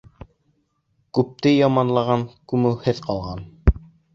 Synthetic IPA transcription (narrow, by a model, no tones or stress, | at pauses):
kʉp̚t̪ɘjɑmɑnlˠɑʁɑnkʉmɘlhɘðqɑlˠʁɑn